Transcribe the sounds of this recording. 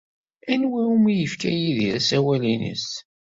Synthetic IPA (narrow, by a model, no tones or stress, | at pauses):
ænwæumijəfkæ̰jiðiɾæsæwælinḭs